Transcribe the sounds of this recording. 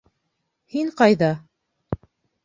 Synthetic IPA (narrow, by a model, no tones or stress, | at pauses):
hiɴqɑjðɑ